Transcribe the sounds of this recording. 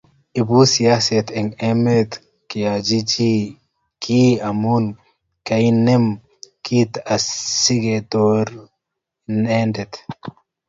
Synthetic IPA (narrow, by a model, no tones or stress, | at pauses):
ibusijaset̪ɛŋɛmet̪ | kijad͡ʒid͡ʒi | kʰiamun | kajnem | kʰit̪asiɡet̪oɾ | nendɛt̪